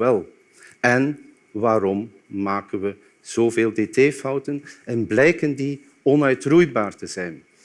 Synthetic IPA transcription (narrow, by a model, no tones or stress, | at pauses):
ɛlˠ | ɛn | ʋaːɾɔmː | aːkənʋə | z̥oːveːlˠdeteːfʌwtənɛnblɛjkəndi | ɔnœɥtrujbaːrtəzɛjn